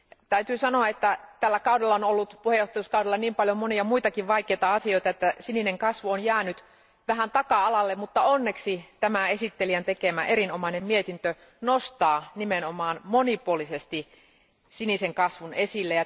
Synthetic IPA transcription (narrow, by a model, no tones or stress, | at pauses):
t̪æyt̪yːsɑnoɑet̪ːæt̪ælːækɑudelːɑonolːut̪puhejˑoht̪ɑjuskɑwɾelːɑniːmpɑljomoniɑmuit̪ɑkiʋʋɑikeːt̪ɑɑsioit̪ɑet̪ːæsinineŋkɑsʋuonjæːnyt̪ | ʋæhænt̪ɑkɑɑlɑlːemmut̪ːɑonːeksit̪æmæesit̪ːeliænt̪ekemæʔeɾinomɑinemmiet̪int̪ø | nost̪ɑːnimenomɑːnmonipuolisest̪i | siniseŋkɑsʋunesilːejɑ